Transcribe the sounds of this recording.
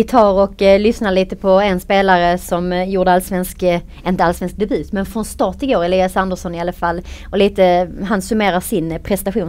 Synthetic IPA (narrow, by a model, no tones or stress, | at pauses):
t̪ʰɑːɾɔklʏsnaɭiːt̪əpʰɔɛnspeːlaɾəsɔmjuːɖəalsvɛnsk | ɪnt̪əalsvɛnsk̚d̪ɛbʉ̟ːt̪mɛnfɾɔnst̪ɑːʈ̪ɪɡoːɾɛliːasand̪əʂɔnɪalːafalːɔliːt̪əɦansɵmeːɾaʂɪnpʰɾɛst̪aɧuːn